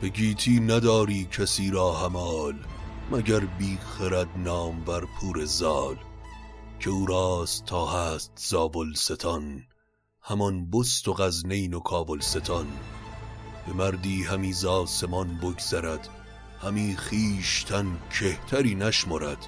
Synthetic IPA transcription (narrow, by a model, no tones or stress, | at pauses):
b̥eɡiːt̪ʰiːnæd̪ɒːɾiːcʰæsiːɾɒːhæmɒːlmæɟæɾbiːχeɾæd̪nɒːmvæɾpʰuːɾe̞zɒːl | cʰe̞uːɾɑːst̪ʰːɒːhæːst̪z̥ɒːvolse̞t̪ʰɒn | hæmɒnbost̪oɣæzne̞jno̞kʰɒːvolse̞t̪ʰɒn | b̥e̞mæɾd̪iːhæmiːzɒːse̞mɒnboɡz̥æɾæd̪̥ | hæmiːχiːʃt̪ʰæncʰeht̪ʰæɾiːnæʃmoɾæd̪̥